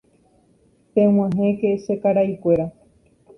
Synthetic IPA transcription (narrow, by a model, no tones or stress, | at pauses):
pẽw̃ãɦẽkeʃekaɾajkʷe̞ɾa